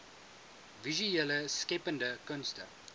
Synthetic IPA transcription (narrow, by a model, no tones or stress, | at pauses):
viʒuɛləskepə̃ndəkɐnstə̰